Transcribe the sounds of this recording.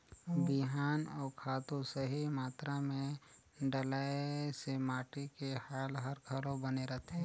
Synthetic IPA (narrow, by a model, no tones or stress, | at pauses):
biɦaːnɔːɾkʰaːt̪usəɦimaːt̪ɾamẽ | ɖəlaːesemaːʈikehaːlɦəɾɡʰʱəlõbəneɾɐt̪ɦɛ̃ː